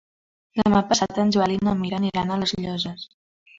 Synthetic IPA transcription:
d̪əmapəsat̪ənʲʒualinomiɾəniɾanələzʎɔzəs

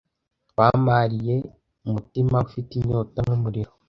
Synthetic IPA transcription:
waːmaɾije̞ | umutimaufitiɲoːtanomuɾiɾo

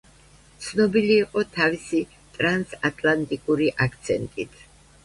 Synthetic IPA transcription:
t̪sʰnɔbiliːqʼɔt̪ʰavisi | t̪ʼɾansat̪ʼʰlant̪ʼikʼuɾiʔak̚ʰt̪sʰɛnt̪ʼit̪ʰ

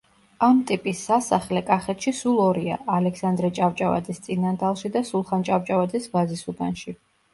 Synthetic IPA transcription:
amt̪ʼipʼisːasaχlɛkʼaχɛt̪ʰʃisulˠɔɾia̰ʔːlɛksand̪ɾɛt͡ʃʼavt͡ʃʼava̰d̪zɛst̪sʼinand̪alˠʃid̪asulˠχant͡ʃʼavt͡ʃʼavad̪zɛsbazisuɡ̪anʃi

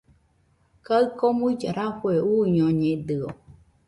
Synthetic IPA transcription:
kaɨkomuid͡ʒaɾafweuːɲõɲed̪ɨo

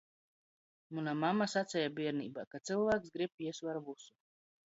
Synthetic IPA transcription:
munamamːasat̪sʲɛjabiɛɾniːbaːkat̪sɨlˠvæːksɡɾib̚piɛsvaɾvusu̥

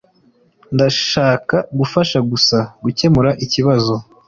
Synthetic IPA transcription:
ndaʃaːkaɡufaʃaɡusaɡuce̞muɾaʔiciβazo̞

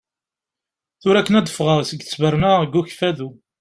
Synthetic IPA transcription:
θʊɾækːənæd̪əfʁəʁsəɡθə̥svəɾnəʁɡːuçfæðu

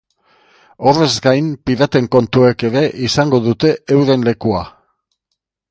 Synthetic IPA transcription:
o̞re̞zɡajmpiðat̪e̞ŋko̞nt̪ue̞ke̞ɾe̞ʔisaŋɡo̞ðut̪e̞ːwðe̞nle̞kua

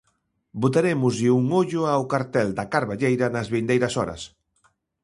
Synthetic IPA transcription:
bot̪aɾemʊzʎɪuŋoʎʊawkaɾt̪ɛld̪ɐkaɾβaʎejɾɐnɐzβind̪ejɾɐsɔɾɐ̰s

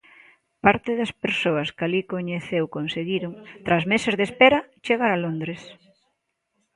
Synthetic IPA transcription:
paɾt̪ɪðɐspeɾsoɐskalikoɲeθewkonseɣiɾoŋt̪ɾazmesezðespeɾɐt͡ʃeɣaɾalond̪ɾes

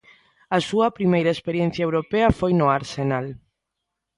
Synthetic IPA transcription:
ɐsuɐpɾimejɾɐespeɾjẽn̟θjaewɾopeɐfojnoaɾsenal

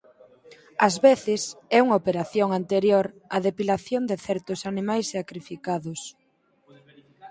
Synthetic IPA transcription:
ɐzβeθɪsɛuŋaopeɾaθjoŋant̪eɾjoɾɐðepilaθjond̪ɪθɛɾt̪ʊsanimajssakɾifikaðʊs

